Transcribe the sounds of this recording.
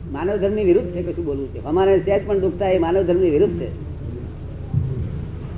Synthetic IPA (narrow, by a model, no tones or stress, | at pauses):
manəʋd̪ʱəɾmiʋiɾud̪ʱːt͡ʃʰekəʃũbolʋũt͡ʃʰeʋəmaɾeseəd͡ʒpəɳd̪ukʰt̪ʰaemanəʋd̪ʱəɾmiʋɪɾud̪ʱt͡ʃʰḛ